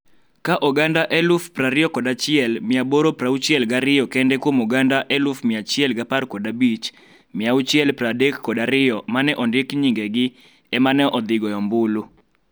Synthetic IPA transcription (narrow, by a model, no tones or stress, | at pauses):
kaʔɔɡandaʔɛlufpraɾɪɔkɔdat͡ʃɪɛlmɪaboɾopɾaut͡ʃjɛlɡaɾɪjɔkɛndɛkwomɔɡandaʔɛlufmɪat͡ʃɪɛlɡapaɾkɔdabit͡ʃ | mɪaut͡ʃɪɛlpɾadɛkːɔdaɾɪjɔmanɛʔɔndɪkɲiŋɡɛɡɪ | ɛmanɛʔɔd̪ɪɡɔjɔmbʊlu